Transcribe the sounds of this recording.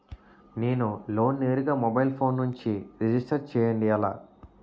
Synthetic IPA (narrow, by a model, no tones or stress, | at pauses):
ne̞ːnulo̞ːnːe̞ːɾuɡaːmɔbɐjlpʰo̞ːnːuɲt͡ʃiɾid͡ʒisʈɐɾt͡ʃɛːjɐɳɖiɐla̰ː